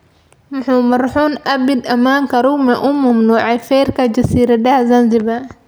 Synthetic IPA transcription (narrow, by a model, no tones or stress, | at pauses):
mʊħuːmɐrħuːnʔɐbɪd̪ɐmaːŋkɐɾumɛʔʊmʊmnuːʕɛfɛːɾkʰɐd͡ʒɐsiːɾɐdɐhzɐnzɪbɐ